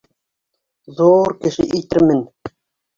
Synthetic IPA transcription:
ðuɾkɘ̆ʃɘ̰ʔĭjt̪ɘɾmɘn

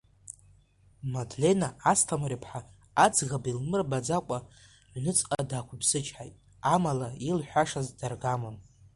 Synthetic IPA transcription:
madle̞naastʰamɾipʰħa | ad͡zɣabilmɨrbad͡zakʷʼa | ʕʷnɨt͡sʼqʼadakʷʰʊbzɨt͡ʃʰʼħajtʼ | amalailħʷᶣaʂazdarɡamɨn

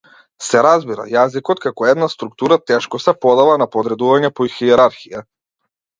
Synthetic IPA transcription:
sɛɾazbiɾa̰jazikɔt̪̚kakɔɛd̪nast̪ɾuk̚t̪uɾat̪ɛʃkɔsɛpɔd̪avanapɔd̪ɾɛd̪uvaɲɛpɔixiɛɾaɾxija

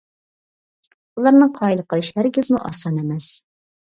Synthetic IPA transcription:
ulˠɑɾnɨŋqʰɑjlˠəqəlˠiʃlæɾɪɡʲɪzmuʔɑsɑnemɛs

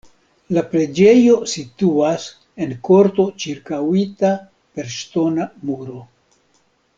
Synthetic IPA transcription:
lapɾe̞d͡ʒe̞jo̞situas | e̞nko̞ɾto̞t͡ʃiɾkawita | pe̞ɾʃto̞namuɾo̞

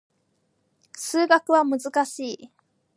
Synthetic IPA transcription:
sɨːɡakɯ̟βamɯ̟zɨkaɕiː

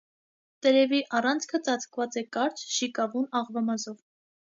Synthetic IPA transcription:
t̪ɛɾɛviʔɑrɑnt͡sʰkʰət͡sɑt͡sʰkvɑt͡sɛkɑɾt͡ʃʰʃikɑvunɑʁvɑmɑzɔv

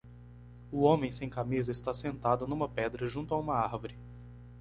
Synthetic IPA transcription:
ʊõmẽj̃sẽj̃kamizɐɪst̪asẽnt̪ad̪ʊnũmɐpɛd̪ɾɐʒũnt̪ʊaũmɐaɾvoɾɪ

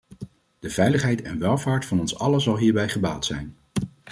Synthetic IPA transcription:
d̥əv̥ɛjləχɦɛjtɛnʋɛlˠvaːɹtfɑnɔnsɑ̰ləzɑlˠɦiːɹbɛjχəbaːlˠtsɛ̰jn

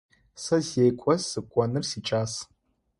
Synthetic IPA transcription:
sɐzejkʷʼɔzsɨkʷʼɔnɨrsiʈ͡ʂʼaːs

